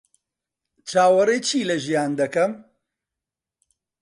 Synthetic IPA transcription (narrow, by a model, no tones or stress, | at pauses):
t͡ʃʰaːwɐɾeːt͡ʃʰiːlɐʒijaːnd̪ɐkɐm